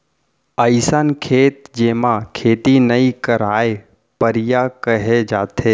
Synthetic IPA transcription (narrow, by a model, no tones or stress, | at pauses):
əɪsənkʰeːt̪̚d͡ʒeːmakʰeːt̪inəikəɾaːe | pəɾɪjakəɦed͡ʒaːt̪eː